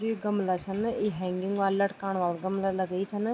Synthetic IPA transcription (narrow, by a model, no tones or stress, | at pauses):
iːɡɐmlat͡ʃʰɐniɦɛ̃ːŋɡɪ̃ŋɡʋaːlːɐʈkaːɳ̃ʋaːlɡɐmlalɐɡəit͡ʃʰɐn